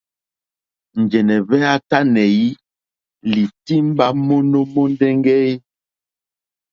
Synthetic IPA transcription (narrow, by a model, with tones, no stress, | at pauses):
n̩˨d͡ʒɛ˨nɛ˨βɛ˦a˦ta˦nɛ˨ji˦ | li˨ti˦m˦ba˦mo˦no˦mo˦n˦dɛ˦ŋɡɛ˦i˦